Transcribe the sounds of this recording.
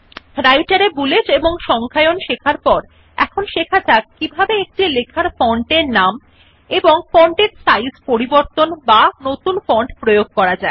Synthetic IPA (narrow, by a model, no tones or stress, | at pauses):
ɾajʈaɾebuled͡ʑeboŋʃɔŋkʰaeonʃekʰaɾpɔɾ | ɛkʰonʃekʰat͡ɕʰak̚kibʱabeek̚ʈilekʰaɾfɔɳʈeɾnam | eboŋfɔɳʈeɾsajspoɾiboɾt̪onbanot̪unfɔɳʈpɾojoɡ̚kɔɾad͡ʑae